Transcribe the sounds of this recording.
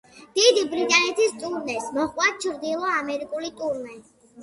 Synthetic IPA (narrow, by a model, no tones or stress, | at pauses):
d̪̥id̪ibɾit̪ʼanɛt̪ʰist̪ʼuɾnɛsmɔχkʼwat͡ʃʰɾd̪ilˠɔamɛɾikʼulit̪ʼuɾnɛ